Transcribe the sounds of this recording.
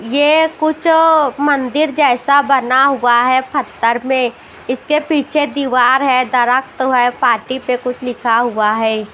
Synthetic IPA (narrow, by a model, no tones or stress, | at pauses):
jeːkʊt͡ʃʰmɐ̃nd̪ɪɾd͡ʒɛːsabɐnaɦuaɦɛːpʰɐt̪ːəɾmẽ | ɪskepiːt͡ʃʰed̪iːʋaːɾɦɛd̪ɐɾək̚ʰt̪ɦɛpaːɾʈipekʊt͡ʃʰlɪkʰaɦuaɦɛː